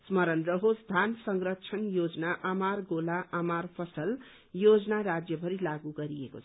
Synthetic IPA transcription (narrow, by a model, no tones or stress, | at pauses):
smʌɾʌnrʌɦod͡zd̪ʱansʌŋrʌt͡sʰʌnjod͡znaʔamarɡolaʔamarpʰʌsʌl | jod͡zʌnaɾad͡zjʌbʱʌɾilaɡuɡʌɾieko̰t͡sʰʌ